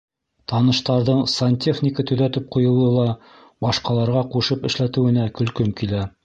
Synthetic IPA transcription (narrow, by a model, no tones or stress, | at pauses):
t̪ɑnɤ̆ʃt̪ɑɾðɤɴsɐnʲtʲʰeχnʲɪkət̪ɵ̆ðæt̪ɘp̚qŏjɤ̆lˠɤlˠɑ | bɑʃqɑlˠɑɾʁɑquʃɤpɘ̆ʃlæt̪ɘ̆wɘ̆nækɵ̆lkɵmkilæ